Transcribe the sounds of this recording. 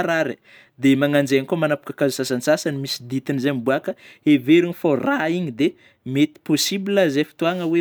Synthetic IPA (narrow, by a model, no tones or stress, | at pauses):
ɾaɾi | d̪emaŋand͡ʒenkomanapu̥kakazusasansasanimisid̪it̪inizambuakəeveɾiniforaiɲid̪e | met̪i̥posibilazefi̥t̪uaŋəwe